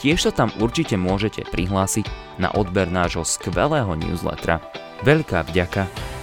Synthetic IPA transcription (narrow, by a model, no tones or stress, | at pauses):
cɪɛʃsat̪amuɾt͡ʃicɛmʊɔʒɛcɛ̰pɾiɦlaːsiɟ | na̰ʔɔd̪bɛɾnaːʒɦɔskʋɛ̰lɛːɦɔnṵːzlɛ̰t̪ɾa̰ | ʋɛʎkaːvɟaka